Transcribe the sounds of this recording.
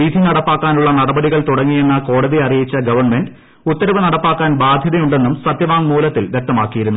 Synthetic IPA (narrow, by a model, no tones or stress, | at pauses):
iːd̪ʱinɐɽɐpːaːkːaːnuɭːɐnɐɽɐbɐɽiɣɐɭt̪uɽɐŋːijenːɐko̞ːɽɐðiɐrijit͡ɕːɐɡɐʋɐrɳme̞ɳɖ | ut̪ːɐɾɐʋɐnɐɽɐpːaːkːaːnbaːd̪ʱjɐðɐjuɳɖe̞nːumsɐt̪jɐʋaːŋmuːlɐt̪ːilʋje̞k̚t̪ɐmaːkːijiɾunːu